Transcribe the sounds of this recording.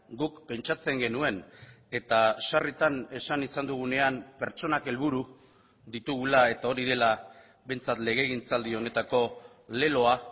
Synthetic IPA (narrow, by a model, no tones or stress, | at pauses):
ɡukpːe̞nt͡ʃat͡se̞ŋɡe̞nue̞n | e̞t̪aʃarit̪ane̞sanisand̪uɣ̞une̞ampe̞ɾt͡ʃo̞nake̞lβuɾu | ðit̪uɣ̞ulae̞t̪ao̞ɾiðe̞la | βe̞jnt͡sat̪le̞ɣ̞e̞ɣ̞int͡sald̪io̞ne̞t̪ako̞ | le̞lo̞a